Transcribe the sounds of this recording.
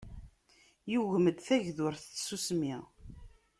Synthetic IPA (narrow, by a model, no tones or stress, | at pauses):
juʝəməd̪θæʝðʊɾθəsusmi